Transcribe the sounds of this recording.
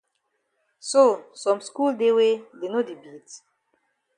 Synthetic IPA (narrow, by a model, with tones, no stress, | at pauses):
so˦˨sɔ̃˨msku˦lde˦we˦de˨no˦di˨bi˨t